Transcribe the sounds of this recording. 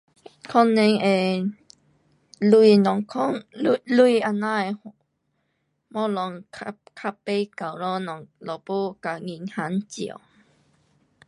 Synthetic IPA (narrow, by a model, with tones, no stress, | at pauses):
kʰɔ˥˧nːɛ˧ŋɛ˨ | lu˧i˨nɔ˨ŋkʰɔ˦˥ŋlu˧ia˧˨na˦e˨ | mɔ˦lɔ˨ŋkʰkʰa˧pe˧˦ka˨˩wɾɔ˦nɔ˨ŋlɔ˨pu˦ka˨ŋi˧˨ŋha˨˦nt͡ɕḭ˨ə̰˨w